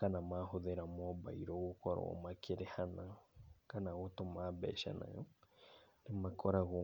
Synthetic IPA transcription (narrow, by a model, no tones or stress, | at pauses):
kanamaɦoðeɾamɔba̰iɾoɣokɔɾo̰makʰeɾehanakanaɣotomabɛ̰ːʃa̰na̰jo | nemakɔɾaɣo